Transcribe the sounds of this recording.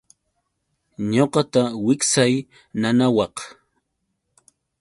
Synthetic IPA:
ɲoqɑt̪awɪksaj | nanawɑq

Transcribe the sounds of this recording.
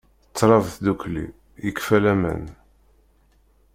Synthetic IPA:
t͡sːɾˤɑvθd̪uklḭ | jəkfælæmə̰n

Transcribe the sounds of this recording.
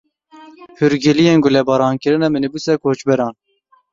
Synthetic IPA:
huɾɡɪlijenɡʊlɛbɑːɾɑːnkɨɾɨnɛmɨnɨbusɛkʰoːt͡ʃbɛɾɑːn

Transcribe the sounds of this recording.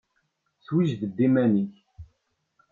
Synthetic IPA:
θwiʒðəbːimæniç

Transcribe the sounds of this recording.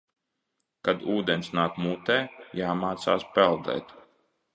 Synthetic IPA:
kad̪uːd̪ensnaːkmuːt̪ɛːjaːmaːt̪sa̰ːspɛlˠd̪ɛ̰ːt̪

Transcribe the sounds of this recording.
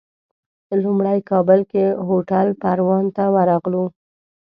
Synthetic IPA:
lumɽajkɑbəlkeɦoʈalpaɾwɑnt̪awaɾɑɣlu

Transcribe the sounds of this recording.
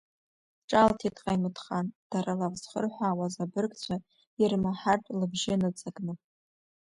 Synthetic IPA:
ʈ͡ʂʼaltʰitʼqʼajmɨtχand̥aɾalaʁz̥χə̰rħʷaːwazabɨrkʼt͡ɕʷʰa | irmaħartʼlɨbʒɪnɨt͡sʼaɡnɨ

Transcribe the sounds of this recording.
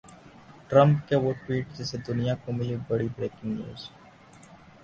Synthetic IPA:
ʈɾə̃mpkeʋʊʈʋiːʈd͡ʒeːsed̪ʊnɪjãkõmilbəɽibɾeːkɪ̃ŋɡnjṵːz̥

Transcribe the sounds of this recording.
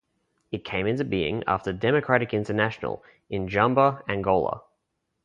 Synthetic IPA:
ɨt̚kʰẽɪ̃mɪ̃ntɨbiːɪ̰̃ŋɑ̰ftədɛməkʰɹ̥æɾɪkɪ̃ntənæʃənə̰lˠ | ɪ̃nd͡ʒʌ̃mbəə̃nɡɔʊlˠə̰

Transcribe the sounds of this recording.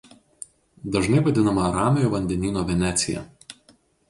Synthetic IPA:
d̪ɐʒnɐɪʋɐd̪ʲɪnɐmɐːɾɑːmʲɪjoːʋɐnʲd̪ʲɛnʲiːnoːʋʲɛnʲæt̪sʲɪjɛ̰

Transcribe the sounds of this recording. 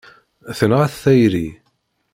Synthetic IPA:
θənʁaθθæjɾi

